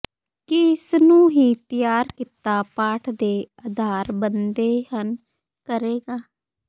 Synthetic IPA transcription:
kɪsnũːɦiːt̪ɪjaːɾkɪt̪aːpaːʈʰd̪eːəd̪ʱaːɾbənd̪eːhən | kəɾeːɡaː

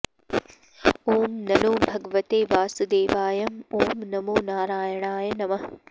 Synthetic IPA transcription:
oːmnɐnoːbʱɐɡʋɐt̪eːʋaːsud̪eːʋaːjɐmoːmnɐmoːnaːɾaːjɐɳ̃aːjɐnɐmɐɦ

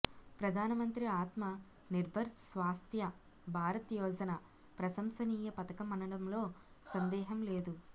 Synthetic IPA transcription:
pɾɐd̪ʱaːnɐmɐnt̪ɾiaːt̪mɐ | niɾbʱɐɾsʋaːst̪ʰjɐ | bʱaːɾɐt̪jɔːd͡ʒɐnɐ | pɾɐsɐmsɐniːjɐpɐt̪ɐkɐmɐnɐɽɐmlo̞ː | sɐnd̪ɛːɦɐmleːd̪u

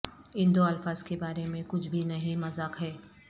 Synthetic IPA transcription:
ɪ̃nd̪oɐlfaːz̥kebaːɾemẽkʊt͡ʃʰbʱinɐɦĩmɐzaːkɦɛː

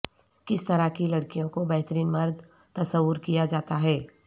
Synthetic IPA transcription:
kɪst̪ɐɾakilɐɽkijõkobɛɦt̪əɾiːnmɐɾd̪ | t̪ɐsəwəɾkijad͡ʒaːt̪aɦɛː

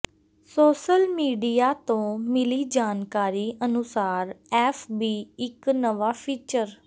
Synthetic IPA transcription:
soːʃəlmiːɖijaːt̪õːmɪliːd͡ʒaːnkaːɾiːʔənʊsaːɾɛːfʰbiːɪknəʋaːpʰiːt͡ʃəɾ

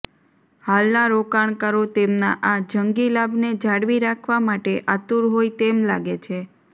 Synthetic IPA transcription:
halnaɾokaɳkaɾot̪emnaʔad͡ʒəŋɡilabned͡ʒaɽʋiɾakʰʋamaʈeʔat̪uɾɦoit̪emla̰ɡet͡ʃʰe

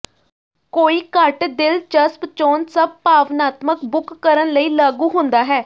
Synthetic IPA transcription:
koːiːkəʈd̪ɪlt͡ʃəspt͡ʃɔːnsəb̚paːʋnaːt̪məkbʊkːəɾənləiːlaːɡuːɦʊ̃nd̪aːɦɛː

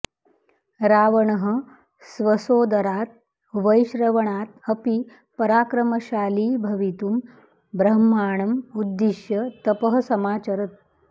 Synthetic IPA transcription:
ɾaːʋəɳɦə | sʋəsoːd̪ʱɐɾaːt̪̚ | ʋəjɕɾəʋɐɳaːt̪̚həpi | pɐɾaːkɾɐməɕaːliːbʱɐʋit̪um | bɾɐɦmːaːɳ̃ɐmud̪ːiʃjət̪ɐpəɦəsɐmaːt͡ɕɐɾət̪̚

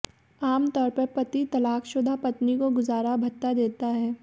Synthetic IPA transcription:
aːmt̪ɔːɾpɐɾpɐt̪it̪ɐlaːkʃʊd̪ʱapɐt̪nikoɡʊzaːɾabʱɐt̪ːad̪eːt̪aɦɛː

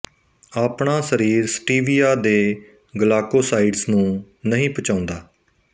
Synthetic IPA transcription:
aːpɳaːsəɾiːɾsʈiːʋiːaːd̪eː | ɡəlaːkoːsaːiːɖsnũː | nəɦĩːpət͡ʃãːʊnd̪aː

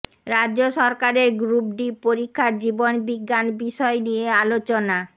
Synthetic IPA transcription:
ɾadʑoʃɔɾkaɾeɾɡɾup̚ɖipoɾikʰːaɾd͡ʑibonbiɡːanbiʃɔenijealot͡ɕona

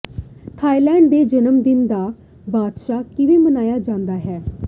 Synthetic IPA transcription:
t̪ʰaːilɛ̃ːɳɖd̪eːd͡ʒənəmd̪ɪnd̪aː | baːd̪ʃaːkɪʋeːmənaːjaːd͡ʒãːnd̪aːɦɛː

